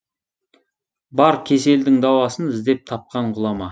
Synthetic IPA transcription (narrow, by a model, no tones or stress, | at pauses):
bɑɾkʲʰe̞s̬e̞ld̪ɪŋd̪ɑwɑsənɪzd̪e̞p̚t̪ʰɑp̚qɑɴqʰʊlˠɑmɑ